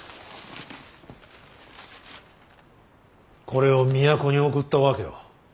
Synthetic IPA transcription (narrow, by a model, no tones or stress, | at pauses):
ko̞ɾe̞o̞mʲijako̞ɲ̟io̞kɯt̪ːaβake̞̰ja̰